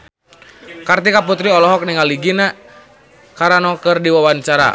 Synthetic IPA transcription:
kart̪ikaput̪ɾiɔlɔɦɔk̚niŋaliɡina | kaɾanɔkɨrdiwawaɲt͡ʃaɾa̰

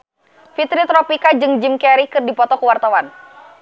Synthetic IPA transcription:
fit̪ɾit̪ɾɔpikad͡ʒɨŋd͡ʒimkɛɾikɨrdipɔt̪ɔkuwart̪awan

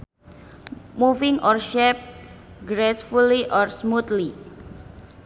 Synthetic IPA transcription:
mufɪŋʔɔrʃɛp̚ | ɡɾesfuliʔɔrsmut̪li

